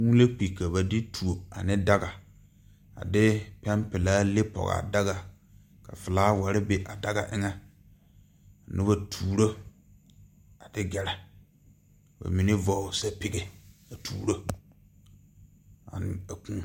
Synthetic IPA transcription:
wũ˦le˦k͡pi˨ka˨βa˨dɪ˦tʰu˨o˨a̰˨nɪ˦da˦ɡa˨ | a̰˨dɪ˦pɛ˦mpɪ˨laː˦le˦pɔ̰˨ɣa̰˨da˦ɣa˨ | ka˨fɪ˨laː˦wa˨ɾɪ˦be˨ʔa˨da˦ɡa̰˨ʔɪ˦ŋɛ˦ | a˨nɪ˦ba˨tʰuː˨ɾo˦ | a˨dɪ˦ɡɛ˨ɾɛ˨ | ba̰˨mi˨˦nɪ˦vɔ˦˨sa˦pɪ˦ɡe˨a˨tʰuː˨ɾo˦ | a̰˨nɪ̰˨a˨kũ˦

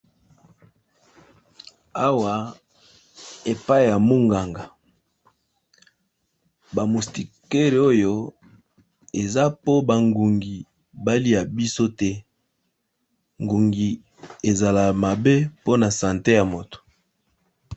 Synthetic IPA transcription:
a˦wa˨ | e˨pa˦i˨ja˨mu˦ŋɡa˨ŋɡa˨ | ba˨mu˨sti˨ke˦ʁe˨o˦jo˦ | e˨za˦po˦ba˨ŋɡu˨ŋɡi˨ | ba˦li˦a˨bi˦so˦tɛ˦ | ŋɡu˨ŋɡi˨ | e˨za˨la˨ma˨be˦po˦na˨sã˨nte˦ja˨mo˨to̥˨

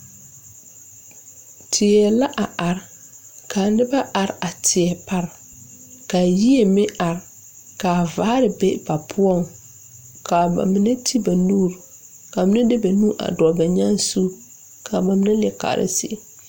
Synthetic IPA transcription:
tʰɪ˨ɛ˨la˦ʔa˨a˨ɾɪ˦ | kʰa˨nɪ˦ba˦ʔa˨ɾa˨tʰɪ˨ɛ˨pa˦ɾ | ka˨ji˦e˨mɪ˦ʔa˨ɾ | ka˨vaː˨˦ɾɪ˨be˦ba˨pʰʊ˦ɔ˦˨ŋ | ka˨ba̰˨mɪ˨nɪ˦tʰi˦ba˨nuː˦˨ɾ | ka˨mɪ˦na˦dɪ˦ba˨nuː˦ʔa̰˨dɔ˨ba˨ɲa˦n˦su˦ | kʰa˨ba˨mɪ˦nɪ˦lɪ˨ɛ˨ka̰˨ɾɪ̰˦sɪ̰˦

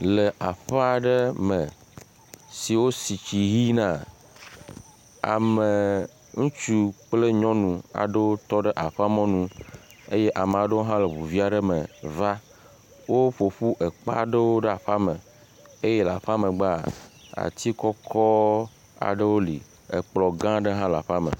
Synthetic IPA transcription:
le˨ʔa˨ɸɛ˦a˨ɖə˦mə̃˨ | si˨wo˦si˨t͡ɕi˨ɣi˦nã˦˨ | a̰˨mə˨ | ŋũ˦t͡ʃu˦k͡ple˦ɲɔ̃˦nũ˨a̰˨ɖə˦wo˦t̪ɔ˦ɖə˦ʔa˨ɸa˦mɔ̃˦nũ˦ | e˦je˦ʔa˨me˨a˨ɖə˦wo˦ɦã˦le˨βu˨vi˦a˨ɖe˦me˨va˦ | wo˦ɸo˨ɸu˦ʔe˨k͡pa̰˦ɖə˦wo˦ɖə˦a˨ɸa˦me˨ | e˦je˦la˨ɸa˦mẽ˨ɡ͡ba˦a̰˨t̪i˦kɔ˦kʰɔ˦ | a̰˨ɖe˦wo˦lḭ˨ | e˨k͡plɔ˨ɡã˦ɖe˦ɦã˦la˨ɸa˦mə̰̃˨

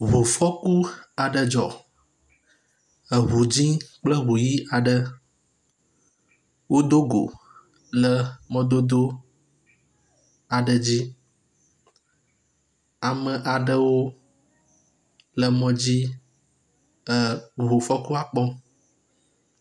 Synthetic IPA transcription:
ɦu˨fɔ˦ku˦a˨ɖə˨d͡ʒɔ˨ | ə˨ɦu˨d͡ʑĩ˦k͡plə˦ɦu˨ji˦ʔa˨ɖə˨ | wo˦d̪o˦ɡo̰˨ | lə˦mɔ̃˦d̪o˦d̪o˦ | a˨ɖə˨d͡ʑi˦ | a˨mə˨ʔa˨ɖə˨wo˦ | lə˨mɔ̃˨˦d͡ʑi˦ | ə˨ɦo˨fɔ˦ku˦a˨k͡pɔ˦

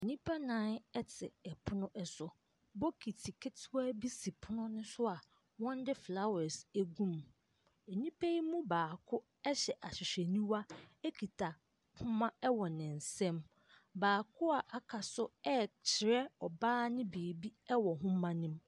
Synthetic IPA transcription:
e˨ɲĩ˦pʰa˦nãː˨˦nɛ˦tʰɪ˨ɛ˨pʰʊ˦nʊ̃˦ʔɛ˨sʊ˨ | bɔ˦kʰi˨tʰi˨kʰe˦tʰɪ˦wa˦bi˦si˨pʰʊ˦nʊ̃˦nʊ̃˦sʊ˦a˨ | wɔ̃˦n˦dɪ˦fla˦wɛ˨sæ˦ɡũ˦m | e˨ɲĩ˦pʰe˦ji˦mũ˦baː˨kʰʊ˦ | ɛ˦ɕɛ˨ʔa˨ɕɪ˨ɕᶣɛ˨nĩ˦wa˦ɛ˦kʰi˨tʰa˨ | hʊ̃˦mã˦ɛ˦wɔ˨nɪ̃˨n̩˨sɛ̃˦m | baː˨kʰʊ˦a˨ʔa˨kʰa˨sʊ˦ɛ˦t͡ɕʰɪ˨ɾɛ˦ɔ˨baː˦nɪ̃˦beː˨bi˦ɛ˦wɔ˨ɦʊ̃˦mã˦nɪ̃˦m

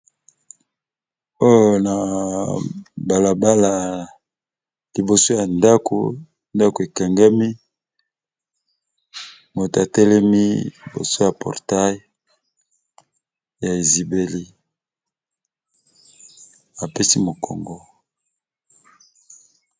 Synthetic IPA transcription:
o˦jo˨na˨ | ba˨la˨ba˦la˨ | li˨bo˨so˦ja˨nda˦ko̰˨ | nda˦ko˨e˨kɛ˨ŋɡa˦mi˦ | mo˨ta˨tɛ˦lɛ˦mi˦li˨bo̰˨so˦ja˨pɔ̰˨ʁta˦j | ja˨e˨zi˨be˨li˦ | a˨pe˦si˦mo˨kʰɔ̰˨ŋɡɔ˦

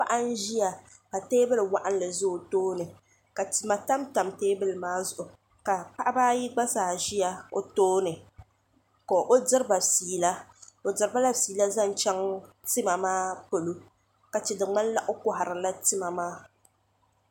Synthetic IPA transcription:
pa˦ʔa˦n̩˦ʒi˦ja˨ | ka˨teː˦bɨ˦lɨ˨wa˦ʔa˦n˦lɨ˨zʊ˦˨toː˦nɨ˨ | ka˨tɨ˨ma˨ta˦mta˨mteː˦bɨ˦lɨ˨maː˦zʊ˨ʔʊ˨ | ka˨pa˦ʔa˦baː˦ji˦ɡ͡ba˦saː˨ʒi˦ja˦o˦toː˦nɨ˨ | koː˨ʔo˦dɨ˦ɾɨ˦ba˨siː˨˦la˦o˨dɨ˨ɾɨ˦ba˦la˦siː˨la˦za˦n˨t͡ʃɛ˦ŋ | tɨ˦ma˨maː˦po˨lu˦ | ka˨t͡ʃɪ˨dɨ˨ŋ͡ma˦n˦la˦ʔʊ˦kʊ˦ɦa˨ɾɨ˨la˦tɨ˦ma˨maː˦

